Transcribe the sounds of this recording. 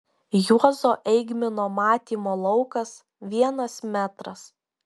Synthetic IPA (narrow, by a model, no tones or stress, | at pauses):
juɔzoːʔɛɪɡmʲɪnoːmɑːt̪ʲiːmoːlˠɒʊkɐs | ʋʲiɛnɐsmʲæːt̪ɾɐs